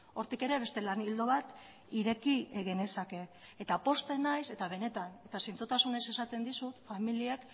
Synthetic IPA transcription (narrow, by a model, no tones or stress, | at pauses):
o̞ɾt̪ike̞ɾe̞βe̞st̪e̞lanild̪o̞βat̪ | iɾe̞kieɣenesake̞ː | t̪apo̞st̪e̞najse̞t̪aβ̞e̞ne̞t̪ane̞t̪asint͡sut̪asune̞se̞sat̪e̞nd̪isut̪familie̞k